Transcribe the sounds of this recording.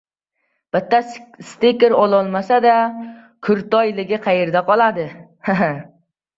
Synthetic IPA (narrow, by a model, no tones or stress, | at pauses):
b̥ɪt̪ːast̪ekʲɪɾɒlˠɒlˠmasad̪a | kʰʊɾt̪ɒjlɪɡʲɪqʰɑjeɾd̪aqʰɒlˠad̪ɪhaɦ